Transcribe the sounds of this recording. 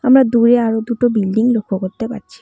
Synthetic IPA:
amɾad̪uɾeaɾod̪uʈobilɖiŋlokʰːokoɾt̪epa̰ɾɕʰi̥

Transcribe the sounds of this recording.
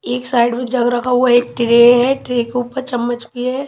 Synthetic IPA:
eːksaːɪɖmẽd͡ʒɐɡɾɐkaoeːk̚ʈɾeɦɛʈɾekeuːpəɾt͡ʃɐmːət͡ʃpiɦɛ

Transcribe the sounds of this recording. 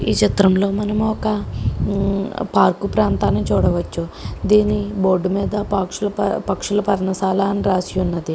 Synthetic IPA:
ḭːt͡ʃit̪ɾɐmlo̞ːmɐnɐmuɔkɐ | paːɾkupɾaːnt̪aːnːit͡ʃuːɽɐʋɐt͡ʃːud̪iːniboːɾɖumiːd̪ɐpakʂulɐpɐkʂulɐpɐɾɐnɐsaːlaːnɾaːsijunːɐd̪i

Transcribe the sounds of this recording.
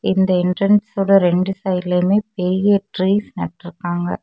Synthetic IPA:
ɪnd̪ɐɪɳʈɾɐnssoːɽɐɾɛɳɖɯsɐjɾleːmeːpeːjeːʈɾiːsnɛʈːɾɯkːaːŋɡɐ̰

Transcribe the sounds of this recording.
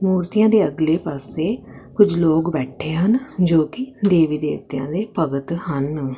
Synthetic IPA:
muːɾt̪ɪjãːd̪eːəɡleːpaːseː | kʊd͡ʒloːkbɛːʈʰeːɦənd͡ʒoːkɪd̪eːʋiːd̪ḛːʋt̪ɪjã̰ːd̪eːpəɡət̪hən

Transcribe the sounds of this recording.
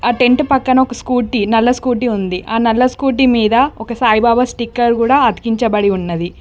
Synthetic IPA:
aːʈe̞ɳʈpɐkːɐnɐɔkɐskuːʈːinɐlːɐskuːʈ̬iund̪iʔaːnɐlːɐskuːʈ̬imiːd̪ɐɔkɐsaːjbaːbɐsʈikːɐɾkuːɽaːɐd̪i̥kiɲt͡ʃɐbɐɽiunːɐd̪i

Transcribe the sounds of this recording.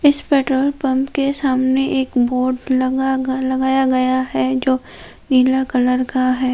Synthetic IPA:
ɪspɛːʈɾoːlpɐ̃mpkesaːmneʔeːkboːɾɖlɡalɐɡaːjaɡɐjaɦɛd͡ʒoː | niːlakɐləɾkaɦɛː

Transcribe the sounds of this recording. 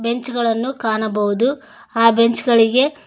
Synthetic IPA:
be̞ɲt͡ʃuɡɐɭɐnːukaːɳɐbɐʋud̪u | aːbe̞ɲt͡ʃɡɐɭiɡe̞

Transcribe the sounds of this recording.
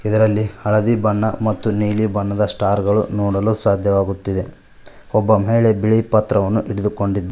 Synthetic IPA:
id̪ɐɾɐlːihɐɭɐd̪ibɐnːɐmɐt̪ːuniːlibɐɳːɐd̪ɐsʈaːɾɡɐɭṵnɔːɽɐluːsaːd̪ʱjɐʋaːɡut̪ːid̪e̞ | ɔbːɐmeːɭe̞biɭipɐt̪ɾɐʋɐnːuʔiɽid̪uko̞ɳɖid̪

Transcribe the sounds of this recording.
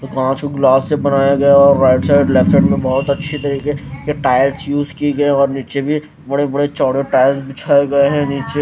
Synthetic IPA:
t̪okãːt͡ʃkoɡlaːsːebɐnaːjaɡɐaɔːɾːaːɪʈsaːɪɖleːfeʈmẽbɐɦʊt̪ɐtːʃʰet̪ɐɾiːkekeʈaːɪlsjuːzkiɡɐẽɔːɾniːt͡ʃebʱi | bɐɽebɐɽet͡ʃɔːɽeʈaːɪlsbɪt͡ʃʰaːeɡɐeɦɛ̃niːt͡ʃe

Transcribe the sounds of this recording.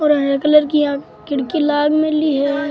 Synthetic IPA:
ɔːɾɐnɾɐkələɾkijã | kɪɽkilaːɡmẽliɦɛ

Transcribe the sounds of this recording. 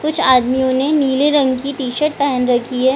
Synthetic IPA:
kʊt͡ʃʰaːd̪mijõneniːleɾɐ̃ŋɡkit̪iːʃəʈ̚pɛɦɛnɾɐkʰiɦɛː

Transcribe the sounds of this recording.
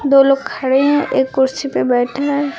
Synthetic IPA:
d̪oloɡ̚kʰɐɽeɦɛ̃ʔeːkːʊɾsipebɛːʈʰaɛ

